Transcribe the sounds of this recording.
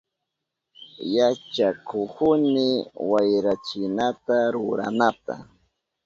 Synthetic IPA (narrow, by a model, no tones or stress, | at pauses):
jat͡ʃakʊkʊnɪwajɾat͡ʃɪnat̪aɾʊɾa̰nat̪a̰